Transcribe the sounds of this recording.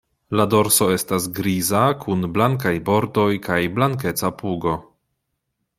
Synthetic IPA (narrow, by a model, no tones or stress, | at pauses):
lado̞ɾso̞e̞stasɡɾizakʰunblaŋk̬ajbo̞ɾdo̞jkajblaŋke̞t͡sapuɡo